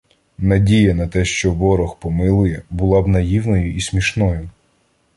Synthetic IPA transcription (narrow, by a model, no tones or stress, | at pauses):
nɐdʲijɐnɐt̪ɛʃt͡ʃɔʋɔɾɔxpɔmɪlˠʊjɛbʊlˠɑbnɐjiwnɔjʊʔismʲiʃnɔjʊ